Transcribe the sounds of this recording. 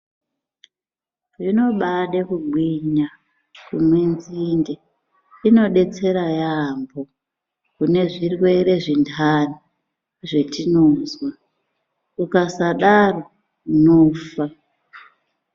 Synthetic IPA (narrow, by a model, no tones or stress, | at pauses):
ʐino̞ɓaɗekuɡʱwiɲa | kumwinzinde | ino̞ɗe̞t͡se̞ɾajambo̞ | kune̞ʐirwe̞ɾe̞ʐindʰani | ʐe̞tinoːzwa | ukasaɗaro | noːfa